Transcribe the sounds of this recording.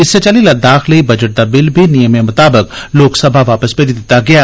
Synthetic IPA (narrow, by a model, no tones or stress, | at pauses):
ɪsːet͡ʃɐlilad̪aːxlibɐd͡ʒəʈ̚d̪abɪlbʱinijəmemʊt̪aːbɪkloːksɐbʱaʋaːpəspeːɾid̪ɪt̪aɡɐjaː